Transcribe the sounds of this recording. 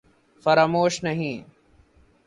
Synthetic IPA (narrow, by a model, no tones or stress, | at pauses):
fəɾaːmoːʃnəɦĩː